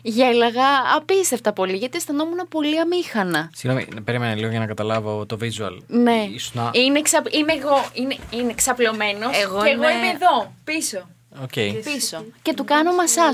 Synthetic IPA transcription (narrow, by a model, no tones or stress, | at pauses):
ʝelɐɣɐːpist̪eft̪ɐpo̞liʝɐt̪ist̪ɐno̞munɐpo̞liɐmixɐnɐsiɣnomḭpeɾimeneliɣoʝɐnɐkɐt̪ɐlɐvo̞t̪ovizuɐ̰lne̞isnɐineksɐpimeːɣo̞ineineksɐplo̞me̞no̞sɣoeɣoimeːðo̞piso̞ | oceipisoce̞t̪ukɐnomɐsɐ